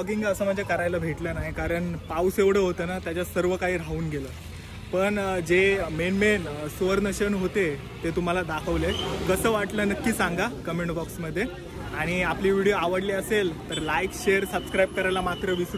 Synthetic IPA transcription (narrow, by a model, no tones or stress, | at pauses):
ɡiŋɡəsəːmad͡ʑʱjakəɾajlabʱeʈlənaɦikaɾəɳpawseʋɽ̤əɦot̪əːnat̪jat͡ɕjasəɾʋəkaɦiːɾ̤auːnɡeləː | pəɳd͡ʑemenmensʋəɾnəɕənɦot̪e | t̪et̪um̤alad̪akʰəʋlekəsəʋaʈlənəkːiːsaŋɡakəmeɳʈbɔksməd̪ʱːje | aɽ̃iapliːʋiɽioaʋəɽliːəselt̪əɾlajkɕeəɾsəbskɾajb̚kəɾajlamat̪ɾəʋis